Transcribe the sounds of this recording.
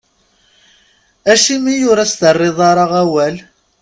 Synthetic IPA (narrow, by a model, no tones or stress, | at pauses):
æʃimijʊɾæsθərˤːɪðˤɑɾˤɑʁæwæl